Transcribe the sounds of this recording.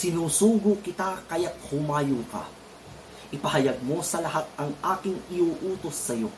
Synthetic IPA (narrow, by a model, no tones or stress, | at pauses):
sɪnuːsuːɡʊkɪt̪akɐjat̪̚hʊmaːjʊŋkɐ̰ | ʔɪpɐɦɐjɐɡ̚mo̞sɐlɐɦat̪̚ɐŋʔaːkɪŋɪʔuːʔuːt̪o̞sːɐjo̞̰